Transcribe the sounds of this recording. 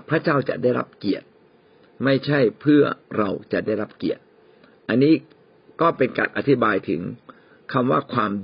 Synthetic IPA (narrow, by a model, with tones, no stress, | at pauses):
pʰɾa˦˥t͡ɕaː˥˩wt͡ɕa̰˨˩ʔdaː˥˩jɾa̰˦˥p̚ki˨˩ət̪̚ | ma˥˩jt͡ɕʰa˥˩jpʰɯ˥˩ɐɾa˧wt͡ɕa̰˨˩daː˥˩jɾa˦˥p̚kḭ˨˩ət̪̚ | ʔa˧nːiː˦˥ | kɔː˥˩pe˧nka̰ː˧nʔa˧t̪ʰi˦˥baː˧jt̪ʰɯ̰˩˦ŋ | kʰa˧mwa̰ː˥˩kʰwaː˧m